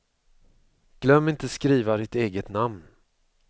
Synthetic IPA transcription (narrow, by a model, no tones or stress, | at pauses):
ɡ̥lœmːɪnt̪əskɾiːvaɾɪt̪eːɡət̪namn